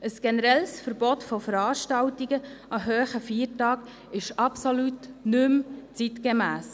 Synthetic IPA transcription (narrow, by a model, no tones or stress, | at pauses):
əsɡ̥ɛnəɾɛlsfəɾbɔtfofəɾɑːʃtɑltiɡəʔɑɦøːχəfiːəɾtɑːɡ | ɪʃɑpsolutnʉmt͡sitkemæːs